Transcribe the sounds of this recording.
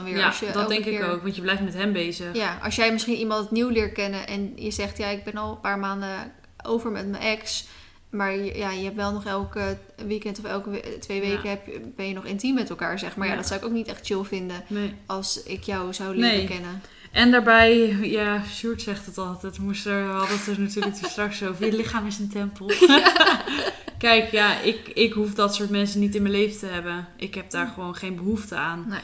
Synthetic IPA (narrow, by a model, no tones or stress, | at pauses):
dnʋɪːɹɑsjədɛlˠdɛŋkɪowkʋɑntjəblɛjftmɛtɦɛmbejzəχjaʔɑ̰lˠsjɛjmɪsχinimɑ̃ntniwlɪːɹt̚kɛnəʔɛ̰njəzɛχtjaɪɡ̚bɛnɑlˠəpaːɹmaːndə | o̰wvəɹmɛ̰tmənʔɛks | maːɹjajəɦɛpʋɛlˠnɔχɛlˠk | ʋikɛntɔfɛlˠktʋejʋejkəɦɛpb̥ɛnjənɔχɪntimːɛtɛlˠkaːɹzɛχmaːɹjadɔtsawɪkoʊwknitɛχtt͡ʃɪlˠvɪndənejɑlˠsɪkjɔwzawlnnejəkɛnə | ʔɛndaːɹbɛjjasyːɹtsɛχtətɑlˠtɛtmustəɹɦɑdətənatyːɹlək̚təstrɑksowvəɹjəlɪχaːmɪsəntɛmpəlˠ | kɛjkjaʔɪkɪkɦufdɑtsʊːɹtmɛnsənitɪnməlejfətəɦɛbənʔɪkɦɛb̚daːɹχəʋownχejnbəɦuftəaːn